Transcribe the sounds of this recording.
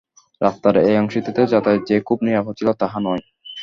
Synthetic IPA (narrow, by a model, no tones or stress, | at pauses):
ɾast̪aɾejɔŋʃit̪it̪ed͡ʑat̪aed͡ʑekʰubniaɦot͡ɕʰilot̪aɦanɔj